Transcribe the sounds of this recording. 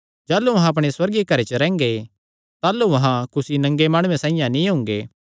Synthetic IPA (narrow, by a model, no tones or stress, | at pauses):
d͡ʒaːluʋɐɦãɐp̬ɽ̃eswɐɾɡekɐɾet͡ʃəɾɛ̃ːŋɡe | t̪aːluʋɐɦãkʊsinɐ̃ŋɡemaːɽ̃ũẽsãːɪ̃jãnĩɦʊ̃ŋɡeː